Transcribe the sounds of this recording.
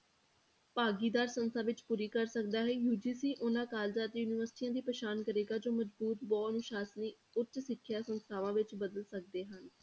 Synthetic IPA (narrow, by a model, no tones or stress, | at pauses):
paːɡiːd̪aːɾsənst̪ʰaːʋɪt͡ʃpuːɾiːkəɾsək̚d̪aːɦɛːjuːd͡ʒiːsiːʔʊnãːkaːld͡ʒaːt̪juːnɪʋəɾsɪ̥ʈiːãːd̪iːpɾəʃaːnkəɾeːɡaːd͡ʒoːməd͡ʒbuːt̪bɔːnʊːʃaːsniː | ʊt̪ːsɪkʰːjaːsənst̪ʰaːʋãːʋɪt͡ʃbəd̪əlsək̚d̪eːɦən